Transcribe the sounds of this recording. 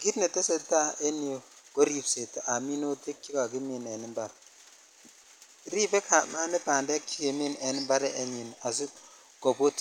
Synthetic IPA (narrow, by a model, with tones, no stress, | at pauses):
ɡi˦tne˨te˦se˦˨tːa˦e˦ni˨o˨ɡ̥o˦ɾi˨pse˨te˨ʔa˨mi˦no˦te˦kːi˦ka˨ɡi˦mi˨ne˨ni˦mba˨ɾ | ɾi˦be˦kʰa˨ma˦ne˦ba˨nde˦ki˦ke˨mi˦ne˨ni˦mba˦ɾe˦ʔe˨˦ɲi˨na˨s̬i˦ | ɡ̥o˨bo˦t